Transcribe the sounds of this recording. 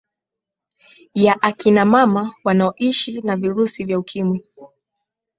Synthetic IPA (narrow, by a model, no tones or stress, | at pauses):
jaʔakinamamawanaɔʔiʃinaviɾusivjaukʰimwi